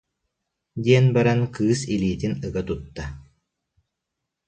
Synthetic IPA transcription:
d̪iɛnbɛɾɛnkɯːsiliːt̪inɯɡat̪ut̪ːa

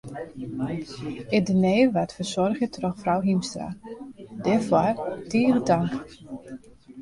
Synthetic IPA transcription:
ɪdineːʋatfəsɔrxjətʰrɔxfrawɦimstra̰dɛɹfwɔrtiːrədaŋk

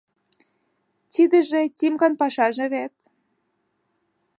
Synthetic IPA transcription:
t̪id̪ə̆ʒĕt̪ʲimɡɑnpɑʃɑʒĕβet̪̚

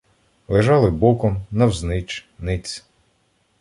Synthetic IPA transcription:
lˠeʒɑlˠɪbɔkɔmnɐwznɪt͡ʃnɪt͡sʲ

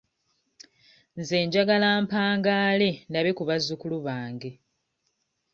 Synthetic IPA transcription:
nze̞ːɲɟaɡalaːmpaːŋɡaːle̞ndaβekuβazːukuluβaːŋɡe̞

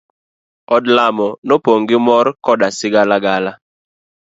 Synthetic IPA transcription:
ɔdlamɔnopoŋɡɪmɔrkɔdasɪɡalaɡala

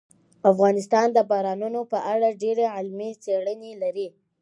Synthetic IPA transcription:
afɣɑnɪs̬t̪ɑnd̪əbɑɾɑnunopəʔaɽaɖeɾeʕɪlmit͡seɽənelaɾi

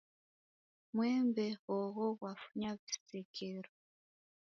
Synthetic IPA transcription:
mwɛmbehɔɣɔɣwafuɲaβisekʰeɾo

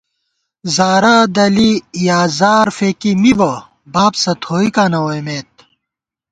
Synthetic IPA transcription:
zaːɾaːd̪ɐlijaːzaːɾfeːkimibɐ | baːpsɐt̪ʰoːikaːnɐwojmeːt̪̚

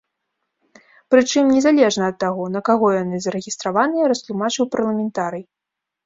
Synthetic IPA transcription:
pɾɨt͡ʂɨmnʲɛzalʲɛʐnɐːt̪ːaɣɔnɐkaɣɔjanɨzɐɾɛɣʲist̪ɾavanɨjɐɾɐst̪lˠumat͡ʂɨwpɐrlˠɐmʲɛnt̪aɾɨj

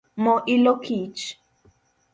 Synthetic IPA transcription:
mɔʔilokʰit͡ʃ

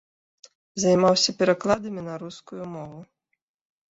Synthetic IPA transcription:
zɐjmawsʲɐpʲɛɾɐklˠad̪ɐminɐɾuskʊjumɔʋʊ

